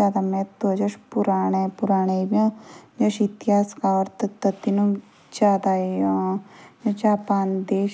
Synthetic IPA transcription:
aːd̪amẽt̪od͡ʒɐʃpʊɾaːɳepʊɾaːɽ̃ebiõd͡ʒɐʃɪt̪iɦaːskaɔɾt̪t̪ɐt̪ːinũ | d͡ʒaːd̪ajod͡ʒɐd͡ʒaːpaːnd̪eːʃ

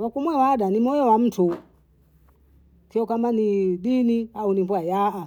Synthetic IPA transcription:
wakumwɛwaɗanimɔjɔwam̩tʰu | kiɔkamaniɗiniaunimbuajaʔa

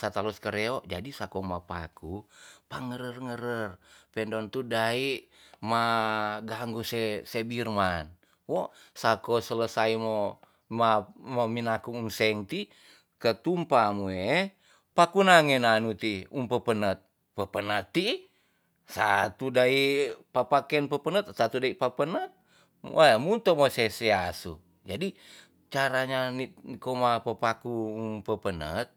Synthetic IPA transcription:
sat̪alɔskəɾeɔd͡ʒadisakɔmapakupaŋəɾərŋəɾərpɛndɔnt̪udaiʔ | maɡaŋɡusesebirman | wosakɔsələsaimo | mamominakuŋuŋsɛŋt̪i | kət̪umpamue | pakunaŋenanut̪iumpəpənət̪̚ | pəpənət̪ːi | sa̰t̪udaipapakɛnpəpənət̪̚sat̪udaipapənət̪̚ | mamunt̪omosesɛasṵ | d͡ʒadi | t͡ʃaɾaɲanikomapəpakuːmpəpənə̰t̪̚

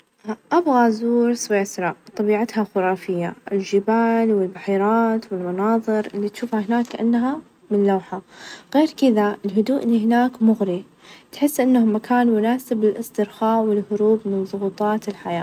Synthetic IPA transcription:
ʔabɣazuːɾsweːsɾˤɑt̪ˤɑbiːʕat̪haxʊɾˤɑːfɪjːa̰ʔɪlʒɪbaːlwɪlbaħiːɾˤɑːt̪wɪlmɑnɑːðˤɨɾʔɪlːit̪ʃuːfhahɪnaːkːaʔanːɦa | mɪnlawħaɣeːɾkɪðaɪlɦʊd̪uːʔɪlːihɪnaːkmʊɣɾi | t̪ħɪsːʔɪnːahmakʰaːnmʊnaːsɪbɪlʔɪsˤt̪ɪɾxaːwɪlhʊɾuːbmɪnðˤʊɣuːt̪ˤɑːt̪ɪlħajaː

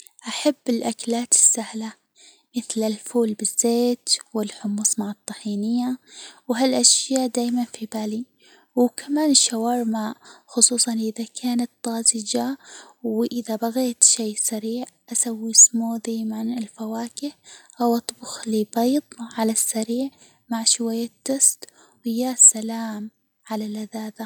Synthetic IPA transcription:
ʔaħabːɪlʔaklaːt̪ɪ̥sːahla | mɪθlɪlfuːlbɪzːeːt̪wɪlħʊmuːsmaʕɑt̪ˤːɑħiːnɪjːawɦalʔaʃjaːʔd̪aːjmanfibaːli | wkʰamaːnɪʃːawɑːɾˤmaʔxʊsˤuːsˤɑnʔɪðakʰaːnat̪ːɑːzɪd͡ʒawʔɪðabaɣeːt̪ʃeːsaɾiːʕʔasawːismuːd̪ajmanɪlfawaːkɪhʔawʔɑt̪ˤːbʊxlibɑjd̪ˤʕalasːaɾiːʕ | maʕʃwajːat̪ːʊst̪ | wɪjːasalaːm | ʕalalaðaːða

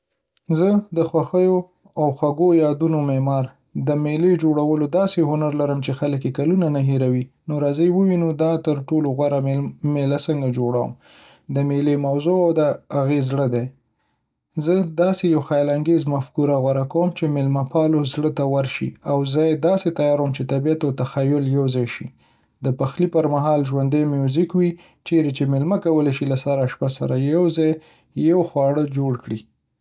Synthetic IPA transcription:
zəd̪əxwaxəjo | awxwaɡojɑd̪unomemɑɾ | d̪əmeled͡ʒoɽawəlod̪ɑseɦʊnaɾlaɾəmt͡ʃexalək̬jekalunanaɦeɾawinoɾɑzəjwəwinod̪ɑt̪əɾʈoloɣwaɾamelasəŋɡad͡ʒoɽawə̰m | d̪əmelemawzoawd̪əaɣezɽəd̪e | zəd̪ɑsejawxajlaŋɡezmafkuɾaɣwaɾakawəmt͡ʃemɪlmapɑlozɽət̪awaɾʃḭawzɑjed̪ɑset̪ajɑɾwəmt͡ʃet̪abijat̪awt̪axajʊljawzɑjʃi | d̪əpaxlipəɾmaɦɑlʒwand̪ajmewzikwi | t͡ʃeɾet͡ʃemɪlmakawəlaʃilasaɾaʃpasa̰ɾajawzɑj | jawxwɑɽəd͡ʒoɽkɽi

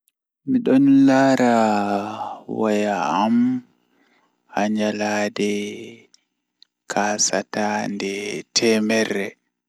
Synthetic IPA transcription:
miɗɔnlaːɾa | wajaːm | aɲalaːdɛ | kʰaːsatandɛtʰɛːmɛrːɛ

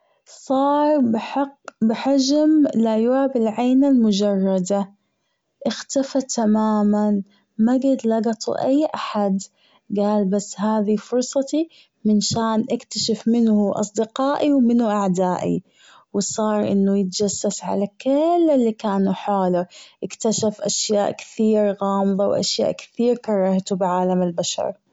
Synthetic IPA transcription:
sˤɑːɾˤbɪħɪqːbɪħad͡ʒmlajwaːbɪlʕaːnalmʊd͡ʒɑrˤːɑd̪a | ʔɪxt̪afat̪ʰːamaːman | maɡɪd̪lɑɡɑt̪ˤṵʔajːʔaħad̪ | ɡaːlbasːɦaːðifʊɾˤsˤɑt̪i | mɪnʃaːnʔɪkt̪aʃafmɪnhʊʔɑ̰sˤd̪ɪqɑːʔiwmɪnuʔaʕd̪aːʔḭ | wɪsˤɑːɾˤʔɪ̰nːujɪt̪d͡ʒasːasʕa̰lakɪlːɪlːikaːnuħaːlaʔɪkt̪aʃafʔaʃjaːʔkɪ̥θiːɾɣɑːmɨðˤɑwʔa̰ʃja̰ːʔkθiːɾkɑɾˤɑːht̪ubɪʕaːlamɪlbaʃɑ̰ɾˤ

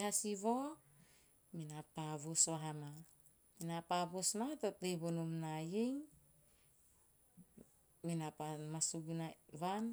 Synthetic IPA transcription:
hasiβo̞ | minapaβusβaɦama | minapaβusnatotleβonumnajeŋ | minapamasuɡunaβan

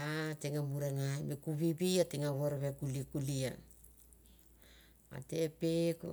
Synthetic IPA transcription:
ateŋamuɾaŋamekuβiβiateŋaɡoɾβekulikulia | a̰tepeko̰

